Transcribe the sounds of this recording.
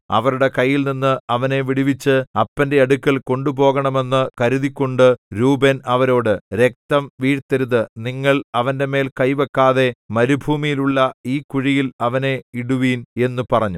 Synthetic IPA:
ɐ̰ʋɐɾuɽe̞kɐjːilninːɨɐʋɐne̞ʋiɽiʋit͡ɕːɨɐpːɐnde̞ɐɽukʲːɐɭko̞ɳɖubo̞ːɣɐɳɐme̞nːɨkɐɾuðikʲːoɳɖɨɾuːbenɐʋɐɾo̞ːɽɨɾe̞k̚t̪ɐmʋiːɽt̪ɐɾuðɨniŋːɐɭɐʋɐnde̞me̞ːlkɐjʋɐkːaːðe̞mɐɾubʱuːmijiluɭːɐiːkuɻijilɐʋɐne̞iɽuʋiːne̞nːupɐrɐɲːu

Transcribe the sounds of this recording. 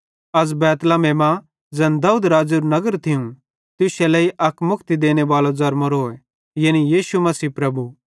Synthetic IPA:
ɐd͡zbɛːt̪lameːmã | d͡zɐ̃nd̪aːuːd̪ɾaːd͡ʒuɾnɐɡəɾt̪ʰɪũ | t̪ʊsɛlɐiʔɐkmʊkʰt̪id̪eːñeʋaːlod͡zɐɾmoɾoːɛ | jɐːnijiːʃumɐsiːpɾɐbu

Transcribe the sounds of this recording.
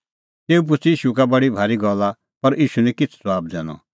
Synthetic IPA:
t̪eːup̬ʊt͡siːʃukabɐɽibʱaːɾiɡɔlːa | pɐɾʔiːʃunɛ̃kɪt͡sʰswaːb̚d͡zɛːɽ̃ɔ̰

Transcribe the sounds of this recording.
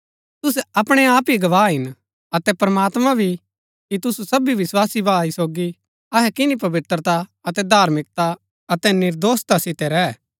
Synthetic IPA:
t̪ʊs̬ɛɐpɽ̃ɛaːpiɡɐʋaːɦɪn | ɐt̪ɛpɾɐmaːt̪mãbʱi | kit̪ʊsusɐbiʋɪswaːsibaːisoːɡi | ɐɦɛkɪnip̬ɐʋɪt̪ɾət̪aɐt̪ɛd̪ʱaːɾmɪk̚t̪a | ɐt̪ɛnɪɾd̪oːst̪asɪt̪ɛɾɛ

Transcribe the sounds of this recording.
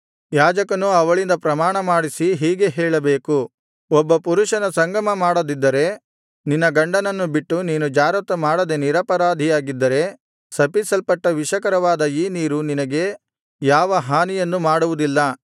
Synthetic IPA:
jaːd͡ʒɐkɐnuɐʋɐɭind̪ɐpɾɐmaːɳɐmaːɽisiɦiːɡe̞ɦɛːɭɐbeːku | ɔbːɐpuɾuʃɐnɐsɐŋɡɐmɐmaːɽɐd̪id̪ːɐɾe̞ | ninːɐɡɐɳɖɐnɐnːubiʈːuniːnud͡ʒaːɾɐt̪ɐmaːɽɐd̪e̞niɾɐpɐɾaːd̪ʱijaːɡid̪ːɐɾe̞ | sɐpisɐlpɐʈːɐʋiʃɐkɐɾɐʋaːd̪ɐiːniːɾuninɐɡe̞ | jaːʋɐɦaːnijɐnːumaːɽuʋud̪ilːɐ

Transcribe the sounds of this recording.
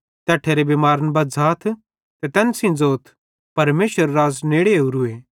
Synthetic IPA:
t̪ɛːʈʰeːɾebemaːɾənbɐd͡zʱaːt̪ʰ | t̪et̪ɛːnsĩd͡zoːt̪ʰ | pɐɾmeːʃəɾːaːzneːɽeuɾueː

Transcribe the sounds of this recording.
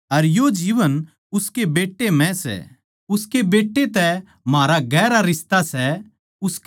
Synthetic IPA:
ɐɾjod͡ʒiːʋən | ʊskebeːʈːemɛ̃sɛ̰ | ʊskebeːʈːet̪ɛ | maːɾaɡɛːɾaɾɪst̪asɛ | ʊsk

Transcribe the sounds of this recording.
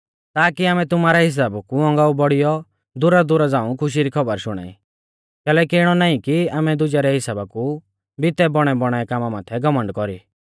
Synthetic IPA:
t̪aːkiaːmɛ̃t̪ʊmaːɾɛɦɪs̬aːbkuɔ̃ŋɡaːubɔɽijɔ | d̪ʊɾad̪ʊɾad͡zãːũkʰʊʃ̬iɾikʰɔbəɾʃʊɽ̃a̰ːḭ | kɛːlɛːkiɪɽ̃ɔnaːĩkiaːmɛd̪ʊd͡ʒaɾɛɦɪsaːbaku | bɪt̪ɛbɔɽ̃ɛbɔɽ̃aɛkaːmamaːt̪ʰɛɡɔmə̃ɳɖkɔɾḭː

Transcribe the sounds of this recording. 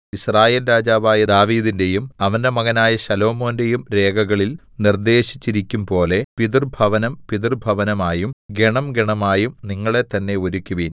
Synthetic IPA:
israːje̞ːlɾaːd͡ʑaːʋaːjɐd̪aːʋiːðinde̞jumɐʋɐnde̞mɐɣɐnaːjɐɕɐlo̞ːmo̞ːnde̞jumɾe̞ːɡʱɐɣɐɭil | nird̪e̞ːɕi̥t͡ɕːiɾikʲːumpo̞ːle̞piðirbʱɐʋɐnɐmpiðirbʱɐʋɐnɐmaːjumɡe̞ɳɐmɡeɳɐmaːjumniŋːɐɭe̞t̪ɐnːe̞oɾukʲːuʋiːn

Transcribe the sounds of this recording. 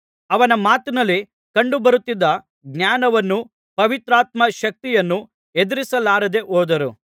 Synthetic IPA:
ɐʋɐnɐmaːt̪inɐlːi | kɐɳɖubɐɾut̪ːid̪ːɐ | ɡnjaːnɐʋɐnːu | pɐʋit̪ɾaːt̪mɐʃɐk̚t̪ijɐnːu | ed̪iɾisɐlaːɾɐd̪e̞ʔoːd̪ɐɾu

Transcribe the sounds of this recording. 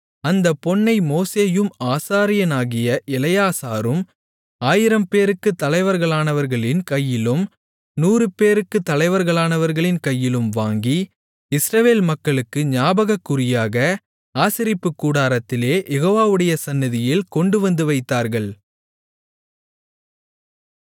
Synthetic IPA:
ɐnd̪ɐpːɔɳːɐɪmoːseːjɯmaːsaːɾɪjɐnaːɣɪjɐʔɪlɐjaːsaːɾɯm | aːjɪɾɐmpeːɾɯkːɯt̪ːɐlɐɪʋɐɾɣɐɭaːnɐʋɐɾɣɐɭɪnkɐjːɪlɯm | nuːɾɯpeːɾɯkːɯt̪ːɐlɐɪʋɐɾɣɐɭaːnɐʋɐɾɣɐɭɪnkɐjːɪlɯmʋaːŋɡi | ɪsɾɐʋeːlmɐkːɐɭɯkːɯɲaːbɐɣɐkːʊɾɪjaːɣɐ | aːsɪɾɪpːɯkːuːɽaːɾɐt̪ːɪleːjʔɛɣoːʋaːʋɯɽɐjɐsɐnːɪðɪjɪlkɔɳɖɯʋɐnd̪ɯʋɐɪt̪ːaːɾɣɐɭ

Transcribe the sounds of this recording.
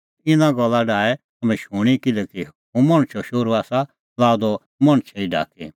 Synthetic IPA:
ɪnãɡɔlːaɖaːɛ | ɐmɛ̃ʃuːɽ̃ikɪlɛki | ũmɐ̃ɽ̃t͡ʃʰɔʃoːɾuaːsa | laːd̪ɔ | mɐ̃ɽ̃t͡ʃʰɛiɖʱa̰ːkʰḭ

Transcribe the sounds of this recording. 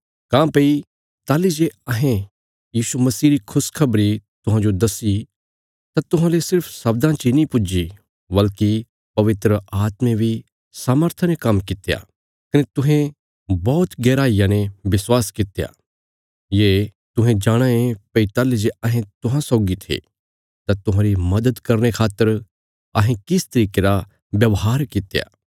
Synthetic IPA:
kãːpei | t̪aːlid͡ʒeɐɦẽ | jiːsumɐsiːɾikʰʊskʰɐbɾit̪ʊɦãːd͡ʒod̪ɐsi | t̪at̪ʊɦãlesɪɾpʰsɐb̚d̪ãt͡ʃinĩpʊd͡ʒi | bɐlki | pɐʋɪt̪ɾəʔaːt̪mẽbʱi | saːməɾt̪ʰanẽkɐmkɪt̪eja̰ | kɐnet̪ʊɦẽ | bɔːt̪ɡɛːɾaːijãnẽbɪswaːskɪt̪eja̰ | jeː | t̪ʊɦẽd͡ʒaːɽ̃ãẽpɐit̪aːled͡ʒeɐɦẽt̪ʊɦãsɔːɡit̪ʰḛː | t̪ãt̪ʊɦãɾimɐd̪əd̪kɐɾñekʰaːt̪ːəɾ | ɐɦẽkɪst̪ɐɾiːkeɾa | bjɐʋɦaːɾkɪt̪ja̰ː

